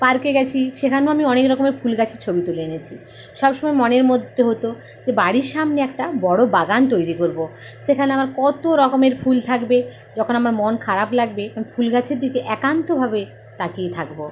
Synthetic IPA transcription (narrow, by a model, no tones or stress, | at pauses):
paɾkeɡɛt͡ɕʰiʃekʰaneoamiɔnekɾɔkomeɾfʰulɡat͡ɕʰiɾt͡ɕʰobit̪uleenet͡ɕʰi | ʃɔbʃomɔemɔneɾmod̪ʱːeɦot̪o | d͡ʑebaɽiɾʃamneɛkʈabɔɽobaɡant̪̬ojɾikoɾbo | ʃekʰaneamaɾkɔt̪oɾɔkomeɾfʰult̪ʰakbe | d͡ʑɔkʰonamaɾmonkʰaɾaplaɡbekafʰulɡat͡ɕʰeɾd̪ikeʔɛkant̪obʱabe | t̪akiet̪ʰakbo